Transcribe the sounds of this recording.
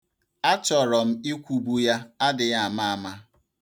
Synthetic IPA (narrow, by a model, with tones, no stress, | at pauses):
a˦t͡ʃɔ˨ɾɔ˨m̩˦i˦kʷu˨bu˦ja˦a˦dɪ˨ja˨a˨ma˦a˨ma˦